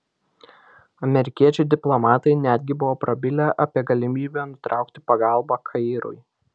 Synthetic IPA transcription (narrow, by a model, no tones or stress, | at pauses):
ɐmʲɛɾʲɪkʲiɛt͡ʃʲʊd̪ʲɪplˠɔmɑːt̪ɐɪnʲæd̪ʲɡʲɪbʊʋoːpɾɐbʲɪlʲɛʔɐpʲiɛɡɐlʲɪmʲiːbʲɛnʊt̪ɾʔɑˑʊkt̪ʲɪ̥pɐɡɑˑlˠbɑkʰɐɪɾʊ̰ɪ